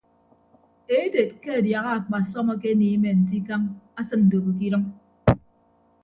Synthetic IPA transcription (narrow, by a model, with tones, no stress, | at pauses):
e˦de˨t̚ke˦a˨dja˨ɣa˦a˨k͡pa˨sɔ˦mɔ˦ke˦ni˨˦me˨n̩˨t̬i˦ka˦ŋa˦sɨ˦nn̩˨do˨ɣo˨k̬i˦ɾɨ˦ŋ